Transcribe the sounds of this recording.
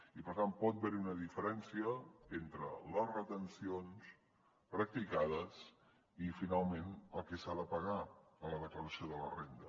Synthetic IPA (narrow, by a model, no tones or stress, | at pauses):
ipəɾt̪anpɔt̪̚bɛɾiunəðifəɾɛnsiəent̪ɾə̰ləzrət̪ənsions | pɾək̚t̪ikað̞əs | ifinalˠmenəlˠkɛsaðəpəɣaələðəkləɾəsioðələrend̪ə